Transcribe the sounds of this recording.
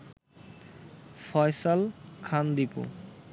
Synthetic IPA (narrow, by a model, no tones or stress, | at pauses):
fɔjsalkʰand̪ipṵ